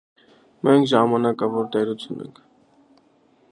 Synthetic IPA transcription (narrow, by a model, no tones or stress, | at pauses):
mɛŋkʰʒɑmɑnɑkɑvɔɾt̪ɛɾut͡sʰjunɛ̰ŋkʰ